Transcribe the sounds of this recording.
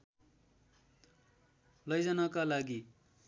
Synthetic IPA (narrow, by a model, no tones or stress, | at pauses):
lʌjd͡zʌnakalaɡi